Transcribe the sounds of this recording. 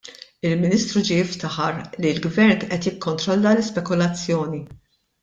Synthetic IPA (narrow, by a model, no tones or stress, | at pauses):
ɪlmɪniːst̪ɾud͡ʒijɪft̪ɐħɐɾlilɡvɛɾnt̪ʔɛt̪jɪkːɔnt̪ɾɔlːɐlɪspɛkʊlɐt͡sːjɔːni